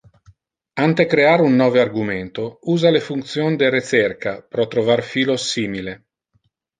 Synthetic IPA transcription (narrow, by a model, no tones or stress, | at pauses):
ant̪ekɾeaɾeunːɔːvearɡumɛnt̪ouːzalefunt̪sjond̪eret͡ʃɛrkapɾɔt̪ːɾovarfiːlosiːmile